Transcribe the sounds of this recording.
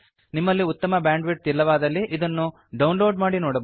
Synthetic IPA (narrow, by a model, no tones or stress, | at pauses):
nimːɐlːiut̪ːɐmɐbjaːɳɖʋiʈ̚t̪ilːɐʋaːd̪ɐlːiʔid̪ɐnːu | ɖɐwnlo̞ːɖmaːɽinoːɽɐb